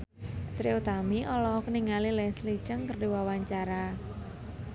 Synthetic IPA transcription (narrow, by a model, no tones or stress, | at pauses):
t̪ɾiut̪amiʔɔlɔkəniŋalilɛslit͡ʃəŋkərdiwawaɲt͡ʃaɾa